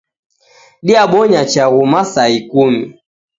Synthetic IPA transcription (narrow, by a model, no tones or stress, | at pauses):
ɗiaɓɔɲat͡ʃaɣumasaikumi